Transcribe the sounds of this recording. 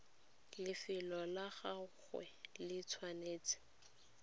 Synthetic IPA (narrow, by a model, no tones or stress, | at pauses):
lɪfɪlɔlaɣaχwɛ̰lɪt͡sʰwaneːt͡sɪ̥